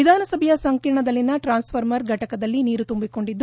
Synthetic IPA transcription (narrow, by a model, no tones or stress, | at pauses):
id̪ʱaːnɐsɐbʱɐjɐsɐŋkiɾɳɐd̪ɐlːinɐʈɾaːnspʰɐɾmɐɾɡʱɐʈɐkɐd̪ɐlːiniːɾut̪umbiko̞ɳɖid̪ː